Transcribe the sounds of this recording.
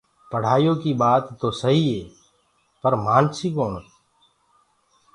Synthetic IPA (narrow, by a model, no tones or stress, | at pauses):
pəɽ̤aːjõːkibaːt̪ːoːsəɦiɦeː | pəɾmaːnsiːkoːɳ